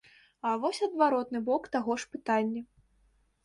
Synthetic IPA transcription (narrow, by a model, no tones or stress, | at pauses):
ɐvɔsʲɐd̪vaɾɔt̪nɨbɔkt̪aɣɔʂpɨt̪anʲːɐ